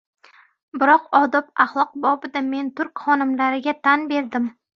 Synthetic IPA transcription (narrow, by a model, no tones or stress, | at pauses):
bɪɾɒqɒd̪ɒpaχlˠɒq̚bɒbɪd̪ame̞nt̪ʰʊɾkʲχɒnɪmlaɾɪɡʲat̪ʰanbe̞ɾd̪ɪm